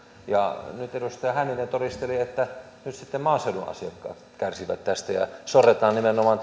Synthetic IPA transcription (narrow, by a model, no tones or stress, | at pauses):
jɑnyt̪eɾust̪ɑjɑhænːinːent̪orist̪eliet̪ːæ | nyt̪sit̪ːemmɑːseuluʔʔɑ̰siɑkːɑ̰ː | kærsiʋæ̰t̪tæst̪æjɑ̰soret̪ˑɑːnnimenomɑn